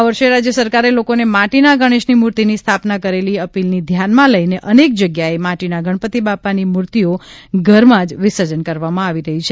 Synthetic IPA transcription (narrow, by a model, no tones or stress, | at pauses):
aʋəɾʃeɾad͡ʒjəsəɾkaɾelokonemaʈinaɡəɽ̃eʃnimuɾt̪inist̪ʰapnakəɾeliəpilnid̪ʱjanmãləineʔənek̚d͡ʒəɡjaemaʈinaɡʱəɳpət̪ibapanimuɾt̪ioɡʱəɾmãd͡ʒʋɪsəd͡ʒənkəɾʋamãaʋiɾəɦit͡ʃʰe